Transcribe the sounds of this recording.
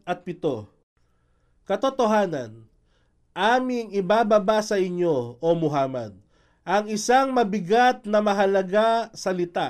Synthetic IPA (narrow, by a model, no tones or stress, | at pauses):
ʔɐt̪̚pɪt̪o̞ | kɐt̪ot̪oɦaːnɐ̰n | ʔaːmɪŋɪbaːbɐbasɐɪɲo̞omʊɦaːmɐ̰d̪̚ | ʔɐŋɪsaŋmɐbɪɡat̪̚nɐmɐɦɐlɐɡasɐlɪt̪a